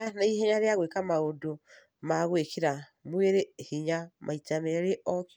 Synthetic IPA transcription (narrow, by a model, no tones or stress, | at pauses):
anaihɛɲaɾeaɣwekamaodo | maɣwekʰeɾa | mweɾehiɲamʔaitameɾeʔɔk